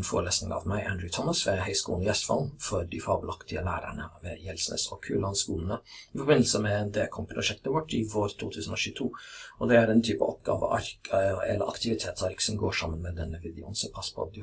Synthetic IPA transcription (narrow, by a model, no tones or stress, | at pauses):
nfo̰ːɾɭeːsnɪŋɑ̰ʋmæɪʔænd̪ɾʉt̪ʰɔməsʋɛɦæɪskuːlnəjɛst̪fɑ̰lfɔɾɖɪfɑbəlɑkt̪ʰɪəlæːɾæ̰ɳəʋɛjɛlsnə̰sɔkʰʉːlɑnskuːlən̩əɪfɔɾbɪnːl̩səmɛɛnd̪eːlkʰɔmpʰɾʊʂɛkt̪əʋɔʈːɪʋoːɾt̪ʰuːt̪ʰʉːsn̩ɔʃʉːt̪ʰuːʔɔd̪ɛæɾɛnt̪ʰyːpə̰ʔɔpɡɑ̰ːʋə̰ʔɑɾkɛ̰ləɾʔɑ̰kt̪ɪʋɪt̪ʰeːt̪sɑɾksɔmɡoːʂɑmːənmɛd̪ɛnːəʋɪd̪ɪṵːnsɔpʰɑspʰɔ̰d̪